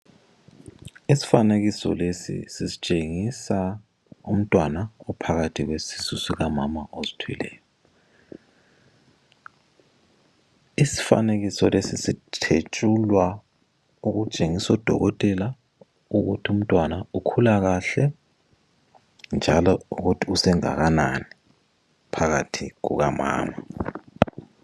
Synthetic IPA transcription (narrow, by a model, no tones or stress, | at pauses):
isi̥faneɣisɔ̰lesḭsisi̥t͡ʃʼeŋisa | um̩tʼwanaɔpʰaɣatʰiɣwesisusiɣamamaʔozitʰwḭlɛ̰ːjɔ | isi̥fa̰neɣisɔlesisitʰet͡ʃʼulwa | uɣut͡ʃʼeŋisɔd̥ʱɔ̰ɣɔtʼɛla | uɣutʰium̩tʼwanaukʰulaɣaɬɛ | nd͡ʒʱa̰lɔuɣutʰiusɛŋa̰ɣanani | pʰaɣa̰tʰiɣṵɣama̰ːma